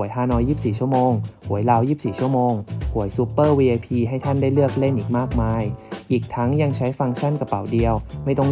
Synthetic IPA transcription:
əjɦaː˥˩nɔː˧jiː˥˩p̚siː˨˩t͡ɕʰu˥˩əmoː˧ŋhu˨˩˦əjlaː˧wjiː˥˩p̚siː˨˩t͡ɕʰu˥˩ɐmoː˧ŋhu˨˩˦əjsu˧˥pːɤː˥˩wiː˧ʔaː˧pʰiː˧ɦa˥˩jt̪ʰa˥˩ndaː˥˩jlɯ˥˩ək̚le˥˩nʔiː˨˩k̚maː˥˩k̚maː˧jʔiː˨˩k̚t̪ʰa˦˥ŋja˧ŋt͡ɕʰa˦˥jfa˧ŋt͡ɕʰa˥˩nka˧pa˩˦wdi˧əwma˥˩jt̪ɔ˥˩ŋ

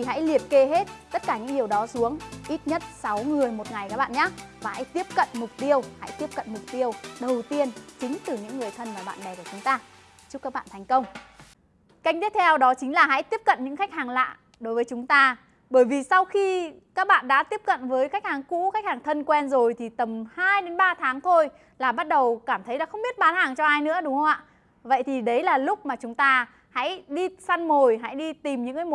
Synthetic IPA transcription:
i˨˩ɦa̰˧˥jli˨˩ət̚ke˧ɦe˦˥t̚t̪ə˦˥t̚kaː˧˩ɲɨ̰˧˥ŋɗi˨˩əwɗɔ˨˦su˨˦əŋʔi˦˥t̚ɲə˦˥t̚sa˨˦wŋɨ˨˩əjmo˨˩t̚ŋa˨˩jka˦˥k̚ɓa̰ː˧˨nɲaː˦˥vaː˨˩ha̰˧˥jt̪i˦˥əp̚kə̰˧˨nmʊ˨˩k͡p̚t̪i˧əwha̰˧˥jt̪i˦˥əp̚kə̰˧˨nmʊ˨˩k͡p̚t̪i˧əwɗə˨˩wt̪i˧ənt͡ɕï˨˦ŋ̟t̪ɨ˨˩ɲɨ̰˧˥ŋː˨˩əjt̪ʰə˧nmaː˨˩ɓa̰ː˧˨nɗɛ˨˩ku˧˩t͡ɕʊ˨˦ŋ͡mt̪aː˧ | t͡ɕu˦˥kaː˦˥k̚ɓa̰ː˧˨nt̪ʰa˨˩jŋ̟kə˧wŋ͡m | ka˦˥k̟̚t̪i˦˥əp̚t̪ʰɛ˧wɗɔ˨˦t͡ɕï˨˦ŋ̟laː˨˩ɦa̰˧˥jt̪i˦˥əp̚kə̰˧˨nɲɨ̰˧˥ŋxa˦˥k̟̚haː˨˩ŋla̰ː˧˨ | ɗo˨˦jvəː˨˦t͡ɕʊ˨˦ŋ͡mt̪aː˧ | ɓəː˧˩jvi˨˩sa˧wxi˧ | kaː˦˥k̚ɓa̰ː˧˨nɗa̰ː˧˥t̪i˦˥əp̚kə̰˧˨nvəː˨˦jxa˦˥k̚haː˨˩ŋkṵ˧˥xa˦˥k̚haː˨˩ŋt̪ʰə˧nkwɛ˧nzo˨˩jt̪ʰi˨˩t̪ə˨˩mhaː˧jɗe˨˦nɓaː˧t̪ʰaː˨˦ŋt̪ʰo˧j | laː˨˩ɓa˦˥t̚ɗə˨˩wkaː˧˩mt̪ʰə˨˦jlaː˨˩xə˧wŋ͡mɓi˦˥ət̚ɓaː˨˦nhaː˨˩ŋt͡ɕɔ˧ʔaː˧jnɨ̰˧˥əɗʊ˨˦ŋ͡mhə˧wŋ͡mʔa̰ː˧˨ | və̰˧˨jt̪ʰi˨˩ɗə˨˦jlaː˨˩lʊ˦˥k͡p̚maː˨˩t͡ɕʊ˨˦ŋ͡mt̪aː˧ | ha̰˧˥jɗi˧sa˧nmo˨˩jɦa̰˧˥jɗi˧t̪i˨˩mɲɨ̰˧˥ŋː˨˧˦mo˨˩

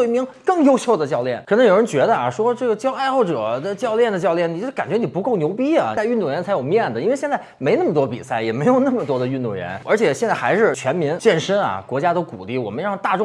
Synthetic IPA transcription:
we˥˩ɪmi˧˥ŋkɤ˥˩ŋjo˥ʊɕjo˥˩ʊd̪ə˩t͡ɕjɑ˥˧ʊljɛ̰˥˩nkʰə˨˩nɤ˧˥ŋjo˨˩ʊɻə˧˥nt͡ɕɥɛ˧˥d̪ə˧a̰˨˩ʂwɔ˥ʈ͡ʂɤ˥˩ɡə˩t͡ɕjɑ˥ʊa˥˧ɪxo˥˩ʊʈ͡ʂɤ˨˩d̪ə˧t͡ɕjɑ˥˧ʊljɛ˥˩nd̪ə˩t͡ɕjɑ˥˧ʊljɛ˥˩ni˨˩˥ka˨˩nt͡ɕɥɛ˧˥ni˨˩pu˧˥ko˥˩ʊnjo˧˥ʊpi˥ɐ˨˩˥y˥˧nt̪u˥˩ɥɛ˧˥nt͡sʰa˧˥jo˨˩ʊmjɛ˥˩nd̪ə˩i˥n˥e˥˧ɕjɛ˥˧nt͡sa˥˩ɪme˧˥ɪn˥˩mə˩t̪wɔ˥pi˨˩sa˥˩ɪjɛ˨˩me˧˥ɪjo˨˩ʊna˥˩mə˩t̪wɔ˥d̪ə˨˧y˥˧nt̪u˥˩ɥɛ̰˧˥nə˞˧˥t͡ɕʰjɛ˨˩ɕjɛ˥˧nt͡sa˥˩xa˧˥ɪʂɻ̩˥˩t͡ɕʰɥɛ˧˥nmi˧˥ŋt͡ɕjɛ˥˩nʂə˥nɐ̰˨˩kwɔ˧˥t͡ɕja˥t̪o˥ʊkṵ˨˩li˥˩wɔ˨˩mə˦nɻɑ˥˧ŋt̪a˥˧ʈ͡ʂʊ˥˧ŋ

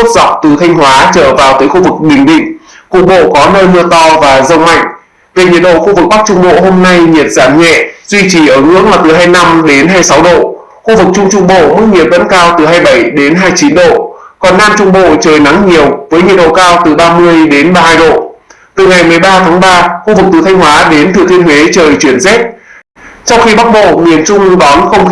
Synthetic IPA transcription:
o˦˥t̚z̥a˨˩wk͡p̚t̪ɨ˨˩t̪ʰa˧jŋ̟hwaː˨˦t͡ɕə̰ː˧˨vaː˨˩wt̪əː˨˦jxu˧vɨ˨˩k̚ɓï˨˩ŋ̟ɗḭ˧˨ŋ̟ku˨˩ək̚ɓo̰˧˨kɔ˨˦nəː˧jmɨ˧ət̪ɔ˧vaː˨˩zə˧wma̰˧˨jŋ̟ | ve˨˩ɲi˨˩ət̚ɗo̰˧˨xu˧vɨ˨˩k̚ɓa˦˥k̚t͡ɕʊ˧ŋ͡mɓo̰˧˨ɦo˧mna˧jɲi˨˩ət̚z̥aː˧˩mɲɛ̰˧˨zwi˧t͡ɕi˧˩ʔəː˧˩ŋɨ̰˧˥ək̚laː˨˩t̪ɨ˨˩ɦaː˧jna˧mɗe˨˦nɦaː˧jsa˨˦wɗo̰˧˨ | xu˧vɨ˨˩k̚t͡ɕʊ˧ŋ͡mt͡ɕʊ˧ŋ͡mɓo̰˧˨mɨ˦˥k̚ɲi˨˩əp̚və̰˧˥nkaː˧wt̪ɨ˨˩ɦaː˧jɓə˧˩jɗe˨˦nɦaː˧jt͡ɕi˨˦nɗo̰˧˨kɔ˨˩nːaː˧mt͡ɕʊ˧ŋ͡mɓo̰˧˨t͡ɕəː˨˩jna˨˦ŋɲi˨˩əwvəː˨˦jɲi˨˩ət̚ɗo̰˧˨kaː˧wt̪ɨ˨˩ɓaː˧mɨ˧əjɗe˨˦nɓaː˧haː˧jɗo̰˧˨ | t̪ɨ˨˩ŋa˨˩jmɨ˨˩əjɓaː˧t̪ʰaː˨˦ŋɓaː˧xu˧vɨ˨˩k̚t̪ɨ˨˩t̪ʰa˧jŋ̟ɦwaː˨˦ɗe˨˦nt̪ʰɨ˨˩ət̪ʰi˧ənhwe˨˦t͡ɕəː˨˩jt͡ɕwi˧˩ənzɛ˦˥t̚ | t͡ɕɔ˧wŋ͡mxi˧ɓa˦˥k̚ɓo̰˧˨mi˨˩ənt͡ɕʊ˧ŋ͡mɗɔ˨˦nxə˧wŋ͡m

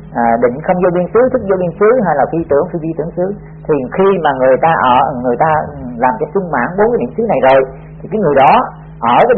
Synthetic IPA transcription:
ʔəː˨˩ɗï˧˨ŋ̟xə˧wŋ͡mzo˧ɓi˧ənsɨ˨˦t̪ʰɨ˦˥k̚zo˧ɓi˧ənsɨ˨˦ɦa˧jlaː˨˩xi˧t̪ɨ˧˩əŋxi˧vi˧t̪ɨ̰˧˩əŋsɨ˨˦ | t̪ʰi˨˩xi˧maː˨˩ŋɨ˨˩əjt̪aː˧ʔəː˧˩ŋɨ˨˩əjt̪aː˧laː˨˩mt͡ɕɔ˧sɨ˧ŋ͡mma̰ː˧˥nɓo˨˦nkːa˨˦jnḭ˧˨əmsɨ˨˦na˨˩jzo˨˩j | t̪ʰi˨˩kːaː˨˦jŋɨ˨˩əjɗɔ˨˦ | ʔəː˧˩kaː˨˦

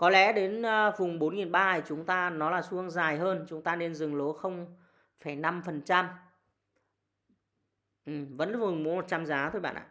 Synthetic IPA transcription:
kɔ˨˦lɛ̰˧˥ɗe˨˦n˧vʊ˨˩ŋ͡mɓo˨˦nŋi˨˩nɓaː˧˨˩t͡ɕʊ˨˦ŋ͡mt̪aː˧nɔ˨˦laː˨˩su˧əŋzaː˨˩jɦəː˧nt͡ɕʊ˨˦ŋ͡mt̪aː˧ne˧nzɨ˨˩ŋlo˨˦xə˧wŋ͡m | faː˧˩jna˧mfə˨˩nt͡ɕa˧m | ʔɨ˨˩mvə̰˧˥nlvʊ˨˩ŋ͡mm˨˦mo˨˩t̚t͡ɕaː˧mzaː˨˦t̪ʰo˧jɓa̰ː˧˨nʔa̰ː˧˨

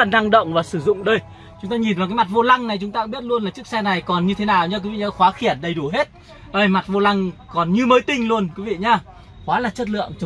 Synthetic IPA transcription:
a˧na˧ŋɗə̰˧˨wŋ͡mvaː˨˩sɨ˧˩zʊ̰˧˨ŋ͡mɗəː˧j | t͡ɕʊ˨˦ŋ͡mt̪aː˧ɲi˨˩nvaː˨˩kaː˨˦jma˨˩t̚vo˧la˧ŋna˨˩jt͡ɕʊ˨˦ŋ͡mt̪aː˧kɓi˦˥ət̚lu˧ənla˨˩t͡ɕɨ˦˥ksɛ˧na˨˩jkɔ˨˩nɲɨ˧t̪ʰe˨˦naː˨˩wɲaː˧ki˨˦vḭ˧˨˩ɲaː˧xwaː˨˦xi˧˩ənɗə˧˩jɗu˧˩ɦe˦˥t̚ | vaː˨˩və˨˩jma˨˩t̚vo˧la˧ŋkɔ˨˩nɲɨ˧məː˨˦jt̪ï˧ŋ̟lu˧ənkwi˨˦vḭ˧˨ɲaː˧ | xwaː˨˦laː˨˩t͡ɕə˦˥t̬̚lɨ̰˧˨əŋt͡ɕ

